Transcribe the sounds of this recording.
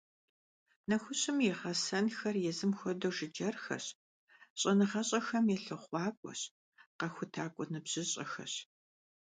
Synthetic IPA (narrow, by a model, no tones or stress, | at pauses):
nɐxʷʊɕɨmjɛʁɐsɐnxɐrjɛzɨmxʷɔdowʒɪd͡ʒɐrxɐ̰ɕ | ɕʼɐnɨʁɐɕʼɐxɐmjɛɬɨχʷɑːkʷʼɔ̰ɕ | qɐxʷʊtʰaːkʷʼɔnɨbʑ̥ɪɕʼɐ̰xɐ̰ɕ